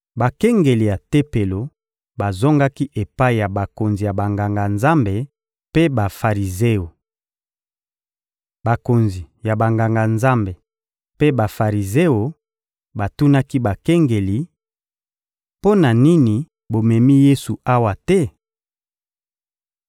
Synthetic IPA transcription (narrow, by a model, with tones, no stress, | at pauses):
ba˨kɛ˦ŋɡe˨li˨ja˨te˦pe˨lo˨ | ba˨zo˦ŋɡa˦ki˦ʔe˨pa˦i˨ja˨ba˨ko˨nzi˨ja˨ba˨ŋɡa˨ŋɡa˨nza˦mbe˨ | pe˦ba˨fa˨ʁi˨ze˦o˨ | ba˨ko˨nzi˨ | ja˨ba˨ŋɡa˨ŋɡa˨nza˦mbe˨ | pe˦ba˨fa˨ʁi˨ze˦o˨ | ba˨tu˦na˦ki˦ba˨kɛ˦ŋɡe˨li˨ | po˦na˨ni˦ni˨ | bo˨mɛ˨mi˦je˦su˨a˦wa˨tɛ˦